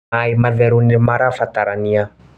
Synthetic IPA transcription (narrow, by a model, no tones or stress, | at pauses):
ajmaveɾunimaɾafat̪aɾania